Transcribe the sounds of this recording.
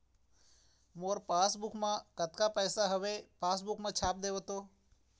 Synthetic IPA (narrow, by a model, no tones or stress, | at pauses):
moːɾpaːsbʊkʰmãkət̪kaːpɛːsaɦəʋepaːsbʊkmãːt͡ʃʰaːp̚d̪eːʋot̪oː